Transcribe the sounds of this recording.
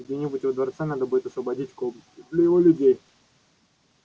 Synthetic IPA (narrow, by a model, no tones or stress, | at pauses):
ɡdʲenʲɪbutʲɪvəd̪vɐrt̪sanad̪əbudʲɪt̪ɐsvəbɐdʲitʲkob̪lʲʊjɪvolʲʊdʲej